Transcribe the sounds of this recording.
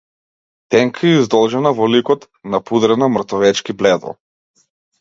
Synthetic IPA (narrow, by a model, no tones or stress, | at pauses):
t̪ɛŋkʰaɛizd̪ɔlˠʒɛnavɔlikɔt̪ | napud̪ɾɛnamr̩t̪ɔvɛt͡ʃkiblɛd̪ˠɔ̰